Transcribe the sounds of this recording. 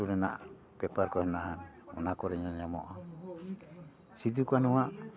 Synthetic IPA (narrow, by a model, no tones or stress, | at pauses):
ulɛna̰ʔ | pɛpaɾkɔhɛnaɦan | ṵnakɔɾɛɲaɲamɔʔa | sit̪ukanuaʔ